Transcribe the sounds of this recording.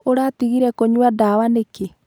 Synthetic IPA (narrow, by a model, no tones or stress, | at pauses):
oɾatiɣiɾɛkoɲuadawaneke